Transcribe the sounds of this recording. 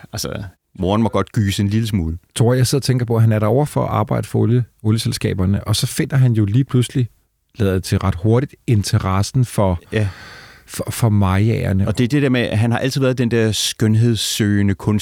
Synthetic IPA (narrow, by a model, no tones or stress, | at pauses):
ælsə | mo̝ːɐnmɒ̽ɡ̥ɒ̽d̥ɡ̥yːse̝nliləsmuːlˠət͡sʰʁoɐ̰jɑ̈ɪse̝ð̰ˠɐt͡sʰeŋɡ̥ɐpʰɒ̽ɦænæɐɾɑ̈ɒʊ̰ɐfɒ̽ɒʔɑ̈ːb̥ɑ̈ɪ̰d̥ə̥fɒoljəoljəselsɡ̥ɛ̰ːb̥ɐnəʔɒ̽sɒ̽fe̝n̰ɐɦænjo̝liːpʰlusli | lɛ̰ððˠd̥ˠet͡sʰe̝lʁɑ̈d̥ho̝ɐɾid̥e̝nt͡sʰɐʁɑsn̩fɒ | fɒfɒ̽mɑ̈ɪɛɐnəɒ̽d̥e̝æɐd̥e̝d̥eɐmeæɦænhɑ̈ʔæl̰t͡sið̩ˠʋæɐðˠd̥end̥ɛɐ̰sɡ̥œnɦe̝ð̞ˠsːøːnəkʰɔ̽n